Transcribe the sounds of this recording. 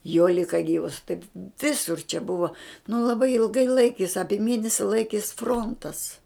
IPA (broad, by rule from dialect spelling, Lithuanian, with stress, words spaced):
joː ˈlʲɪkɐ ˈɡʲiːʋɐs tɐɪp ˈʋʲɪsʊr t͡ʃʲɛ ˈbʊʋɐ nʊ lˠɐˈbɐɪ ɪlˠˈɡɐɪ ˈlˠɐɪkʲeːs ˈɑːpʲiɛ ˈmʲeːnʲɛsʲɪ ˈlˠɐɪkʲeːs ˈfroːntɐs